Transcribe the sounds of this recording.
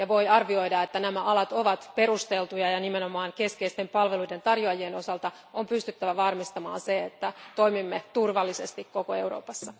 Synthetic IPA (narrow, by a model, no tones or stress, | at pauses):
jɑʋo̞jɑrʋio̞idɑet̪ːænæmæʔɑlɑt̪o̞ʋɑt̪pe̞ɾust̪elt̪ujɑjɑnimenomɑːŋke̞skeist̪e̞mpɑlʋeluide̞nt̪ɑrjoɑjieno̞sɑlt̪ɑ | ompyst̪yt̪ːæʋæʋɑrmist̪ɑmɑ̰ːnseet̪ːæt̪oimimːet̪urʋɑlːisest̪ikko̞koe̞uɾo̰ːpɑsːɑ